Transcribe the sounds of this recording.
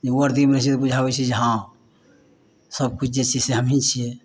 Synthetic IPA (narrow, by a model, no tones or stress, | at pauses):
d͡ʒeuəɾd̪imɾesit̪obud͡ʒʱaβɛt͡ʃʰid͡ʒəɦã | səb̚kut͡ʃʰd͡ʒet͡ʃʰiseɦəmɦit͡ʃʰije